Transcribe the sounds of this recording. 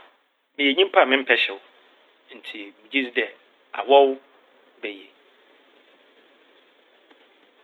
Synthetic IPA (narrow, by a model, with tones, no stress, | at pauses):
mɪ̃˨jɛ˨ɲĩ˦m˦pʰa˦˨mɪ̃˦m̩˦pʰɛ˦ɕɛ˨ʊ˨ | n̩˨tʰi˨mũ˨d͡ʑi˦sdɛ˨ | a̰˨wɔ˦w | bɛ˨jɛ˨